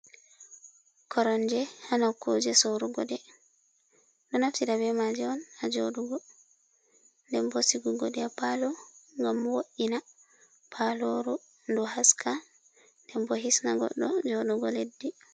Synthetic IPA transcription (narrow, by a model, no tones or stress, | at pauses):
kʰɔɾɔnd͡ʒɛhanakʰod͡ʒɛsoɾuɡɔdɛ | ɗɔnaftiɾabɛmad͡ʒɛɔnad͡ʒoɗuɡɔ | ndɛmbɔsiɡuɡɔdɛapalɔŋɡamːwoʔina | pʰaloɾu | ndɔhaskʰa | ndɛmbɔɦisnaɡɔ̰ɗːɔ̰d͡ʒoɗuɡɔledːi